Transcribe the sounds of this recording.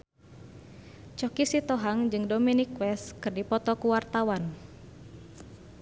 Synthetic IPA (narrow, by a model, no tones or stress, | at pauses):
t͡ʃɔkisit̪ɔɦaŋd͡ʒɨŋdominikwɛskɨrdipɔt̪ɔkuwart̪awan